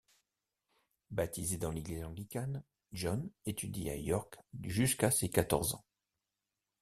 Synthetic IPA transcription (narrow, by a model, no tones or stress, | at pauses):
bat̪ʰized̪ɑ̃leɡlizɑ̃ɡlikʲan | ʒɔnet̪ʰyd̪ia̰jɔʁkʒyskasekat̪ɔʁzɑ̰̃